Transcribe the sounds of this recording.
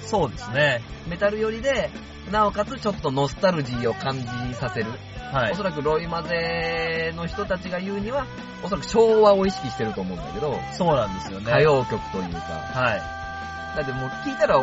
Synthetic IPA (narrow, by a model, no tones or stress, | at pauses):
so̞ːd̪e̞sɨneme̞t̪aɾɯ̟jo̞ɾʲid̪e̞ | naokat͡sɨt͡ɕo̞t̪ːo̞no̞sɨ̥t̪aɾɯ̟ʑiːo̞kãɲ̟d͡ʑĩsase̞ɾɯ̟ | haio̞s̬o̞ɾak̬ɯ̟ɾo̞imaze̞no̞çi̥t̪o̞t̪at͡ɕiɡajɯ̟ːɲ̟iβa | o̞soɾakɯ̟̥ɕo̞ːβao̞iɕi̥kʲiɕi̥t̪e̞ɾɯ̟t̪o̞ːmõ̞ɯ̃na̰ke̞d̪o̞soːnãnd̪e̞sɨjonkajo̞ːkʲo̞kɯ̥t̪o̞jɯ̟̰ːka̰hai | d̪ak̪emoːkʲiːt̪aɾa